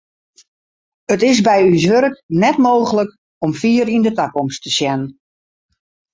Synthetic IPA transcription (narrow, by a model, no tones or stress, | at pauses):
ətɪsbɛjys̬ʋøɾəknɛtmoːɣələk | ɔmfiːəɾindətakɔmstəsjɛnən